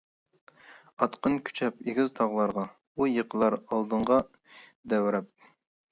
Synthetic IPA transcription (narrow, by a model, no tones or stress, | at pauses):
ɑt̪qənkʲʰy̥t͡ʃʰɛpeɡʲizt̪ʰɑʁlˠɑɾʁɑ | ujəqʰəlˠɑɾɑlˠd̪ɨɴʁɑ | d̪ɛwɾɛp̚